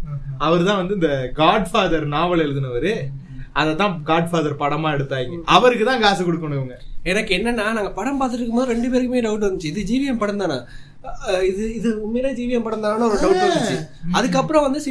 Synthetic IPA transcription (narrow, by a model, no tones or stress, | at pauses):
ɐʋɐɾɯt̪ãːʋɐnd̪ɯɪnd̪ɐɡaːɖfaːðɐɾnaːʋɐɭɛɻɯðɯnɐʋɐɾɯ | ɐðɐt̪ːãːɡaːɖfaːðɐɾpɐɽɐmaːɛɽɯt̪ːaːɪŋɡɐʔɐʋɐɾɯkːɯt̪ãːɡaːsɐkːɔɽɯkːɐɳɯʋɯŋɡɐɛnɐkːɯɛnːɐnːaːnaːŋɡɐpɐɽɐmpaːɾt̪ɯʈːɾɯkːɯmboːðɯɾɛɳɖɯpeːɾɯkːɯmeːɖɐʊʈ̬ʋɐnd̪ɯt͡ʃːɯ̃ɪðɯd͡ʒiːʋɪjɐmpɐɽɐnd̪aːna̰ː | ɪðɯɪðɯmːeːlaːd͡ʒiːʋɪjɐmpɐɽɐnd̪aːnaːnːɐɐʋɐɾɯɖɐʊʋɐnːɯt͡ʃːɯ̃ɐðɯk̬ːɐpːɯɾõʋɐnd̪ɯs